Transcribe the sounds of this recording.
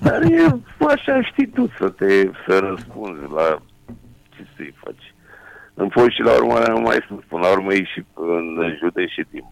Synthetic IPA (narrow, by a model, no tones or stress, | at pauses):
d̪aɾjeaʃaɨnʃt̪it̪usət̪esəɾəspund̪zla | t͡ʃesɨ̰jfa̰t͡ʃ | ɨnpoʃilaṵrmaanuma̰jsəspunlauɾməiʃind̪ɨʒut̪eʃit̪imp